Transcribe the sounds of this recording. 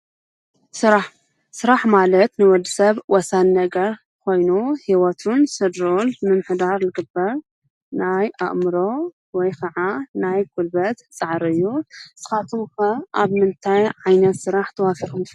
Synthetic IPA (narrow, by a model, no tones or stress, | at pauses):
sɨɾaħ | sɨɾaħmalɐt̪nɨwɔd̪isɐβwɔsanːɐɡɐɾ | kʰo̞jnuhiwɐt̪ʰunsɨd̪ɾolmɨmħɨd̪aɾlɨɡɨbːɐɾ | naja̰ʔmɨɾo | wɔjkʰɐʕanajɡʰʼulbɐt̪t͡sʼaʕɾɨjːusɨ̥xat̪ʰuxɐʔaβmɨnt̪ʰajʕajnɐt̪sɨɾaħt̪ʰɐwafiɾum